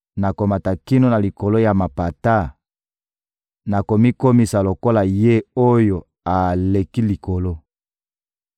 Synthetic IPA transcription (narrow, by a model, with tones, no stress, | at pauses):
na˨ko˨ma˨ta˨ki˦no˦na˨li˨ko˨lo˦ja˨ma˨pa˨ta˦˨ | na˨ko˨mi˦ko˦mi˨sa˨lo˨ko˦la˨je˦o˦jo˨ | a˨le˨ki˦li˨ko˨lo˦